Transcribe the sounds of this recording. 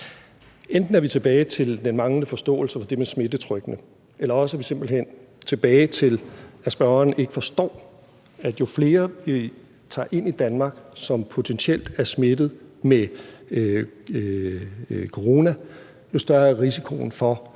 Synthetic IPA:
end̥n̩æɐʋit͡sʰe̝b̥ɛːɪt͡sʰe̝ld̥enmɑ̈ŋləfɒ̽sd̥ɔ̰̽ːl̩sɐfɒ̽d̥e̝mesme̝d̥ət͡sʰʁœɡ̥nə | ʔelɐɒ̽səæʋise̝mb̥l̩hen̰ | t͡sʰe̝b̥ɛːɪt͡sʰe̝læsb̥ɶʊɐne̝ɡ̥ə̥fɒ̽sd̥ɒ̰ː | æd̥jo̝fle̝ːɐʋi | t͡sʰɑ̰̈ːʔe̝n̰id̥ænmɑ̈ɡ̥sɒ̽mpʰo̝t͡sʰensiel̰d̥æɐsme̝d̥ð̞̩ˠme | kʰo̝ʁo̝ːnæ | jo̝sd̥ɶɐæʁisikʰo̝̰nfɒ̽

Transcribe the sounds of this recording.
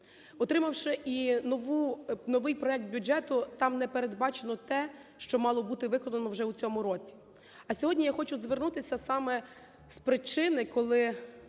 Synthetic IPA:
ɔt̪ɾɪmɐwʃɪʔinɔʋunɔʋɪjpɾɔjɛk̚t̪̚bʲʊd͡ʒɛt̪ʊt̪ɑmnɛpeɾed̪bɑt͡ʃenɔt̪ɛ | ʃt͡ʃɔmɑlˠɔbut̪ɪʋɪkɔnɐnɔwʒɛut͡sʲɔmʊɾɔt͡sʲi̥ | ɐsʲɔɦɔdʲnʲijaxɔt͡ʃʊzʋernut̪ɪsʲɐsɑmɛ | spɾɪt͡ʃɪnɪkɔlˠɪ

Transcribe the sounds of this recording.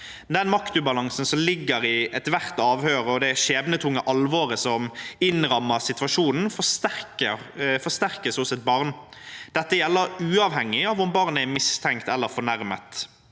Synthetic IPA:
d̪ɛnmɑkt̪ʉbɑlɑŋsən̩sɔmlɪɡːəɾɪɛt̪ʋæʁt̪ɑːʋhøːɾəɔd̪ɛʃeːbnət̪ʰʊŋːəʔɑlʋɔʁəsɔmɪnɾɑmːəsɪt̪ʋɑʂuːnn̩fɔst̪ækəfɔst̪æʁkəsʊsɛt̪̚bɑʁn | d̪̥ɛt̪ːəjɛlːəɾʉːɑʋhɛŋːɪɑːʋʊmbɑʁnəæmɪst̪ʰɛŋkt̪ɛlːəɾfɔɳæɾmət̪

